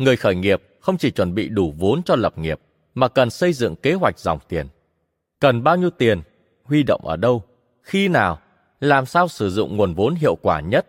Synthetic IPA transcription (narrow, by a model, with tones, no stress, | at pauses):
ŋɨ˨˩əjxəː˧˩jŋi˨˩əp̚xə˧wŋ͡mt͡ɕi˧˩t͡ɕwə˧˩nɓḭ˧˨ɗu˧˩vo˨˦nt͡ɕɔ˧lə˨˩p̚ŋi˨˩əp̚ | maː˨˩kə˨˩nsə˧jzɨ̰˧˨ŋke˨˦ɦwa˨˩jk̚zɔ̰˨˩wŋ͡mt̪i˨˩ən | kə˨˩nɓaː˧wɲi˧əwt̪i˨˩ən | hwi˧ɗo̰˧˨wŋ͡mʔəː˧˩ɗə˧w | xi˧naː˨˩w | laː˨˩msaː˧wsɨ˧˩zʊ̰˧˨ŋ͡mŋu˨˩ənvo˨˦nɦḭ˧˨əwkwaː˧˩ɲə˦˥t̚